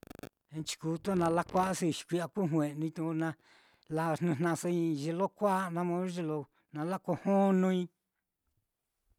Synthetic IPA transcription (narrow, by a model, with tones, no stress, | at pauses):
ẽ˧t͡ʃi̥˧ku˧t̪o˦˨nã˧la˦kʷa˦si˧˨ʃi̥˨kʷi˧a˧ku˦ɦw̃ẽ˨˧nĩ˧t̪ũ˧u˧nã˧ | la˧n̥nɨ̃˧˨nã˧sa˧ĩ˧ʒe˧lo˦kʷa˦nã˧mõ˧˦ʒe˧lo˧ | nã˧la˦ko˧hõ˦nũ˧ĩ˧